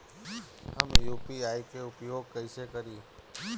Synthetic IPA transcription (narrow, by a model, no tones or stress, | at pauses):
həmjuːpiaːikeʊpjoːɡ̚kəisekəɾiː